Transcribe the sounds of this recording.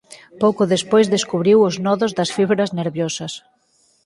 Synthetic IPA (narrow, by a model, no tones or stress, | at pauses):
powkʊðespojzðeskuβɾiwʊznɔðʊzðɐsfiβɾɐzneɾβjosɐs